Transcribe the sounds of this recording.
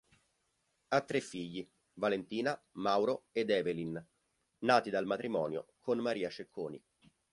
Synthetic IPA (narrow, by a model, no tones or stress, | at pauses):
at̪ːɾefːiʎːi | valent̪iːnamawɾoed̪ɛːvelin | naːt̪id̪almat̪ɾimɔːnjo̰kʰonmaɾiːat͡ʃekʰːoːnḭ